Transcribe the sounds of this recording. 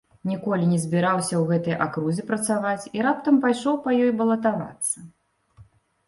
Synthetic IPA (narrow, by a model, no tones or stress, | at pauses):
nʲikɔlʲinʲɛzʲbʲiɾawsʲɐwɣɛt̪ɐjʔakɾuzʲɛpɾɐt̪savat͡sʲiɾap̚t̪ɐmpajʂɔwpɐjɔjbɐlˠɐt̪ava̰t̪sːɐ